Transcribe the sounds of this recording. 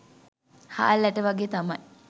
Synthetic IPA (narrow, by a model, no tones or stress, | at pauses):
ha̰ːlːæʈəʋaɡeːt̪amaj